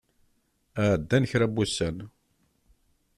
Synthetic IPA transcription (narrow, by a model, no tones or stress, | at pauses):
æʕd̪ːænəçɾæbːusːæn